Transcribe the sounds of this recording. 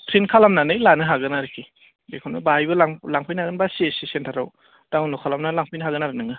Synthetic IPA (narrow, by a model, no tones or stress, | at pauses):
pʰɾinkʰalamnanɯjlanɯɦaɡɯnaɾikʰi | bekʰɔnabajbɯlaŋlaŋpʰɯjnaɡɯnbassisentʰaɾa̰w | d̥aŋnɔkʰalamnalaŋpʰɯjnɯɦaɡɯnaɾɯnɯŋɯ